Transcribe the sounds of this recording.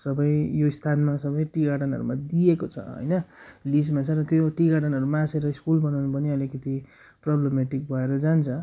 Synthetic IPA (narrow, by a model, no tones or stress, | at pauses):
sʌbʌjjoist̪ʰanmasʌbʌjʈiɡaʈʌnɦʌ̰ɾṵmad̪iekot͡sʰʌ̰ɦʌ̰jnʌlismat͡sʰʌrʌt̪joʈiɡaɽʌnɦʌɾumãseɾʌiskulbʌnawnupʌniʌlikʌt̪i | prʌblemeʈik̚bʱʌeɾʌd͡zant͡sʰʌ